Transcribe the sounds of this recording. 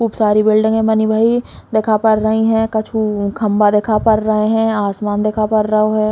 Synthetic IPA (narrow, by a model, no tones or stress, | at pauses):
kʰuːpsaːɾibɪlɖɪ̃ŋɡɦɛ̃mɐnibʱaːi | d̪eːkʰapɐɾːɐɦiɦɛ̃kɐt͡ʃʰukʰɐmbad̪eːkʰapɐɾɾɐɦeɦɛ̃ːaːsmaːnd̪eːkʰapɐɾːɐɦoɦɛː